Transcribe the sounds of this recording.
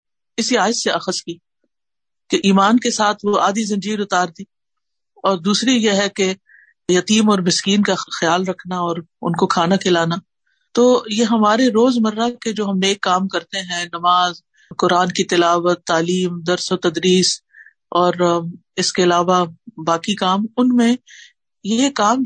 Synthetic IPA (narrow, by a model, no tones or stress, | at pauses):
ɪsiaːɪsːeɐxəskiː | keʔiːmaːnkesaːt̪ʰʋoʔaːd̪izɐ̃ɲd͡ʒiːɾʊt̪aːɾd̪iː | ɔːɾd̪uːsɾijeɦɛke | jɐt̪iːmɔːɾmɪskiːnkaxjaːlɾɐkʰnaɔːɾʊ̰nkokʰaːnakʰɪlaːna | t̪oːjeɦɐmaːɾeɾoːzmɐɾːaked͡ʒoːɦɐmːeːkːaːmkɐɾt̪eɦɛ̃nɐmaːz | kʊɾaːnkit̪ɪlaːʋət̪ːaːliːmd̪ɐɾsɔːɾt̪ɐd̪ɾiːs | ɔːɾ | ɪskeɐlaːʋabaːkikaːmʊnmẽ | jekaːm